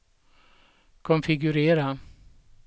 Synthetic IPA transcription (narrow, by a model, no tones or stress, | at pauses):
kʰɔnfɪɡɵɾeːɾa